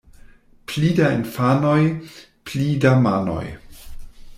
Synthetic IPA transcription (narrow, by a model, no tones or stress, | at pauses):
plidainfanoj | plidamano̞̰j